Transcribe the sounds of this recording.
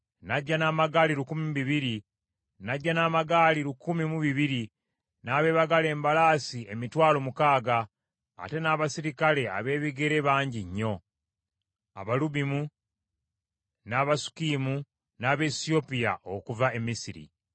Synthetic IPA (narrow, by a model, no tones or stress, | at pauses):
naɟːanaːmaɡaːliɾukumimuβiβiɾi | naɟːanaːmaɡaːliɾukumimuβiβiɾi | naːβe̞ːβaɡale̞ːmbalaːsie̞mitwaːlo̞mukaːɡa̰ː | te̞naːβasiɾikale̞a̰βe̞ːβiɡe̞ɾe̞βaːɲɟiɲːo̞ | a̰βaluβimu | naːβasu̥kiːmu | naːβe̞sio̞pija̰ʔokuvae̞mːisiɾḭ